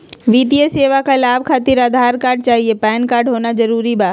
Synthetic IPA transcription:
ʋiːd̪ijeseːʋakʰalaːb̚ʱkʰaːt̪ɪɾəd̪ʱaːɾkaːɾɖ̚t͡ʃaːɦiepɛːnkaːɾɖɦoːnazɐɾuːɾibaː

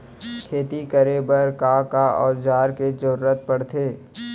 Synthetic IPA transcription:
kʰeːt̪ikəɾebəɾkaːkaɔ̰ːɾd͡ʒaːɾked͡ʒəɾuːɾət̪̚pɐɽt̪ʰeː

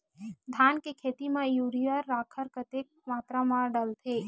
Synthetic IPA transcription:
d̪ʱaːnkekʰeːt̪imẽjuːɾiəɾːaːkʰəɾkət̪ek̚maːt̪ɾamaɖəlt̪ʰeː

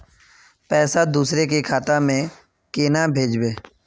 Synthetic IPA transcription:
pɛːsad̪uːsɾekekʰaːt̪amẽ | keːnabʱeːd͡ʒbeː

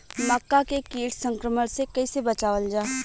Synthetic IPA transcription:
məkːakekiːʈsə̃ŋkɾəməɽsekɐisebɐt͡ʃaːʋəld͡ʒaː

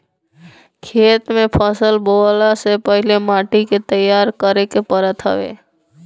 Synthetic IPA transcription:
kʰeːt̪mẽpʰəsəlbolasepəɦɪlemaːʈiket̪əjːaːɾkəɾekepəɾət̪ɦə̰ʋḛː

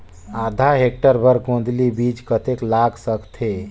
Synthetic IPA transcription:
aːd̪ʱaɦek̚ʈəɾbəɾkõːnd̪ʱlibiːt͡ʃkət̪eklaːksəkt̪ʰe

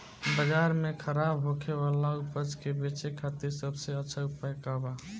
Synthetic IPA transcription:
bəd͡ʒaɾmekʰəɾabɦokʰeβalaupət͡ʃkebet͡ʃekʰat̪iɾsəbseəːʃʰəʊpajkaba

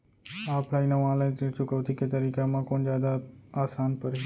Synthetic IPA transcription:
aːpʰlainaʋãːlə̃it͡ʃʊkəʋt̪ʰiket̪əɾikamãkoɳd͡ʒjad̪aːsaːnpəɾ

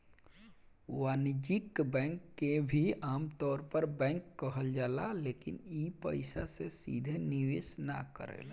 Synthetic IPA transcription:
waːnd͡ʒikbɛ̃ːŋkːebʱiaːmt̪ɔːɾpəɾbɛ̃ŋkːəɦəld͡ʒaːlalekḭnipə̰ɪsasesḭd̪ʱeniʋesna̰kə̰ɾḛːl

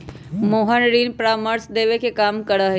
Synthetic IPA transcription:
moːɦənɾiːnpɾaːməɾsd̪eːʋekʰekaːmkɐɽaɦe

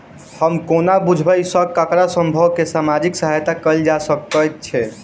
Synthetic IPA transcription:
həmkonabud͡ʒʱbəjsəɡ̚kəkɾasəmbʱəwkesamad͡ʒiksəɦajt̪akəld͡ʒasəkəjt̪̚t͡ʃʰɛ

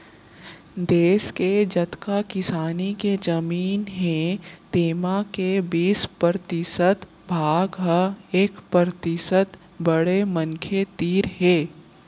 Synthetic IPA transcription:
d̪eːsked͡ʒɐt̪kakɪsaːniked͡ʒɐmiːnɦẽt̪eːmakebiːspəɾt̪ɪsət̪ | bʱaːɡɦeːkpəɾt̪ɪsət̪ | bəɽemə̃ŋkʰet̪iːɾɦɛː

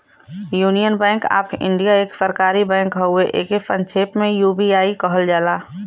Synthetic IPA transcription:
juːnijənbɛ̃ːŋka̰ːpʰɪ̰̃ɳɖijaeːksəɾkaːɾibɛ̃ːŋkɦɛɦʊeʔeːkepə̃nt͡ʃʰeːpmẽjuːbiaːikəɦəld͡ʒaːlaː

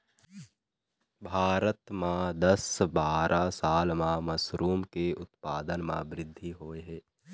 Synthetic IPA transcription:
bʱaːɾət̪mãd̪əsbaːɾʔasaːlmãmɐsɾuːmkeʊt̪paːd̪ənmã̰bɾɪd̪ʱːiɦoːeɦɛː

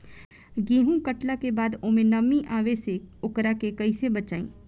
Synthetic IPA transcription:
ɡĩːɦũkəʈlakebaːd̪omẽnɐmːĩʔaːʋeseʊkɾakekɐisebət͡ʃaːḭ̃ː

